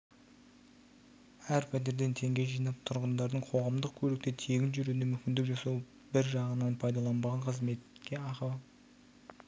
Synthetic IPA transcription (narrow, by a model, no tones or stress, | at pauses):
æɾpʰæt̪̬eɾd̪e̞nt̪ʰe̞ŋɡʲe̞jʒijnɑp̚t̪ʰʊɾʁənd̪ɑɾd̪əɴqʰo̞ʁɑmd̪əq̚kʲʰɵɾek̚t̪et̪ʰe̞ɡʲɪnʒʏɾunemʏmkʲɪnd̪ɪkʒɑsɑw | bɪɾʒɑʁənɑnpʰɑjd̪ɑlˠɑnbɑʁɑnqʰəzme̞t̪kʲːe̞ɑqɑw